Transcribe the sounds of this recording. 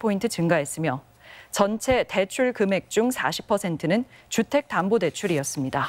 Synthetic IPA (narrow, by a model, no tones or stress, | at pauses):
pʰointʰɯt͡ɕɯŋɡaɦe̞s͈ɯmjʌ | t͡ɕʌnt͡ɕʰe̞te̞t͡ɕʰuɭkɯme̞k̚t͡ɕ͈uŋsʰaɕʰi̥pʰʌsʰe̞ntʰɯnɯnt͡ɕutʰe̞k̚t͈ambode̞t͡ɕʰuɾiʌs͈ɯmɲida